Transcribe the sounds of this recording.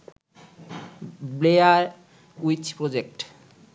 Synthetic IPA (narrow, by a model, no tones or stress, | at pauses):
blejaɾ | ujt͡ɕpɾod͡ʑek̚ʈ